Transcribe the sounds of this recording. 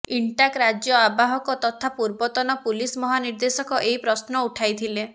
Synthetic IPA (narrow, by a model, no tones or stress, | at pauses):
iɳʈakɾad͡ʒjɔabaɦɔkɔt̪ɔt̪ʰapuɾbɔt̪ɔnɔpulismɔɦaniɾd̪esɔkɔʔeɦipɾɔsnɔuʈʰajt̪ʰile